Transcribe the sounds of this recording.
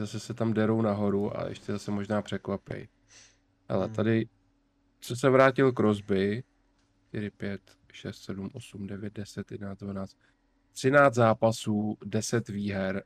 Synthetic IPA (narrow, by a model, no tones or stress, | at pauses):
zasɛsɛt̪amdɛɾo̞wnaɦo̞ɾua̰ɛ̰ʃcɛzasɛmo̞ʒnaːpr̥ɛkvapɛ̰j | hɛ̰lɛ̰t̪adɪ | sɛsɛvɾaːcɪlkɾo̞zbɪ | ʃt̪ɪɾɪpjɛt̪ | ʃɛst̪sɛdumʔo̞sumdɛvjɛt̪̚dɛsɛt̪jɛdɛnaːdvanaːt͡st̪̚ | t̪r̝̥ɪnaːt͡s̪zaːpasuːdɛsɛt̪viːɦɛɾ